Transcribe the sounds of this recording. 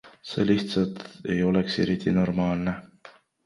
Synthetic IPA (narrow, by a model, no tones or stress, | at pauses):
se̞̰ːliht̪sɑt̪e̞jo̞lekse̞̰ɾit̪ˑino̞rmɑːlne